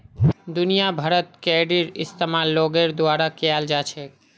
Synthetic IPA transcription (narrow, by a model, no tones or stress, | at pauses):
d̪unijabʱaɾot̪̚kɛɖiɾḭst̪emalːoɡeɾd̪oaɾakeald͡ʑat͡ɕʰe